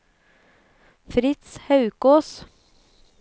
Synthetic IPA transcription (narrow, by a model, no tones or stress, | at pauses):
fɾɪt̪shɑʉkoːs